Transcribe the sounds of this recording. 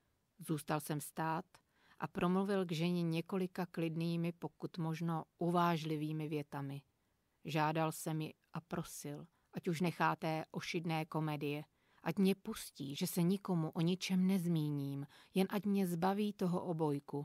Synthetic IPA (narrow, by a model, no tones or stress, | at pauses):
zuːst̪alsɛmst̪aːt̪ | ʔa̰pɾʔo̞mluvɪlɡʒɛɲɛɲɛko̞lɪkaklɪdniːmɪpo̞kut̪mo̞ʒno̞ʔuvaːʒlɪviːmɪvjɛt̪amɪ | ʒaːdalsɛmjɪʔapɾo̞sɪl | ʔacuʃ̬nɛxaːt̪ɛːʔo̞ʃɪdnɛːko̞mɛdɪjɛ | ʔacmɲɛpusciːʒɛsɛɲɪko̞muʔo̞ɲɪt͡ʃɛmnɛzmiːɲiːmjɛnʔacmɲɛzbaviːt̪o̞ɦo̰ʔobo̞jku